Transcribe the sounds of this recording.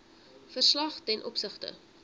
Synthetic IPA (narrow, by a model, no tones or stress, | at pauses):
fərslɐχtɛnʔɔpsəχtə̰